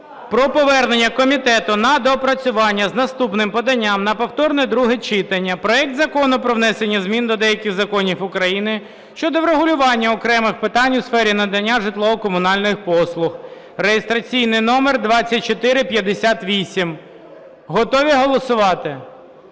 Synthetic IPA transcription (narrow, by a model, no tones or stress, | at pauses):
pɾɔpɔʋɛrnenʲːɐkɔmʲit̪ɛt̪ʊnɐd̪ɔpɾɐt͡sʲʊʋɑnʲːɐznɐst̪upnɪmpɔd̪ɐnʲːamnɐpɔwt̪ɔrnɛd̪ɾuɦɛt͡ʃɪt̪ɐnʲːɐpɾɔɛk̚t̪zɐkɔnʊpɾɔʋnɛsenʲːɐzmʲind̪ɔd̪ɛjɐkʲɪxzɐkɔnʲifʊkɾɐjinɪ | ʃt͡ʃɔd̪ɔwɾeɦʊlʲʊʋɑnʲːɐɔkɾɛmɪxpɪt̪ɑnʲʊsfɛɾʲinɐd̪ɐnʲːaʒɪt̪lˠɔɔkɔmʊnɑlʲnɪxpɔslˠʊx | rejest̪ɾɐt͡sʲijnɪjnɔmerd̪ʋɑt͡sʲːɐt̚ʲt͡ʃɔt̪ɪɾɪpʲjɐd̪esʲat̪ʋʲisʲim | ɦɔt̪ɔʋʲiɦɔlˠɔsʊʋɑt̪ɪ